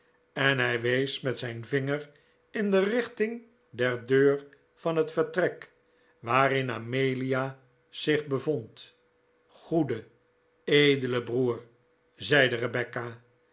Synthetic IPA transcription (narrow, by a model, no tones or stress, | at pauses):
ɛnɦɛjʋejsmɛtsɛjnvɪŋər | ɪndərɪχtɪŋ | dɛɹdøːɹ | fɑnɦətfəɹtrɛk | ʋaːɾɪna̰ːmejlia | z̥ɪχbəvont | χudə | ejdələbruːɹ | zɛjdərəbɛkaː